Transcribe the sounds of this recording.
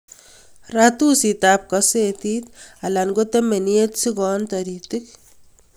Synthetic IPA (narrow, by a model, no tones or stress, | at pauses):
rat̪usitap̚kɐsetit̪alanɡot̪emeniet̪sikɔnt̪ɐɾit̪ɪk̚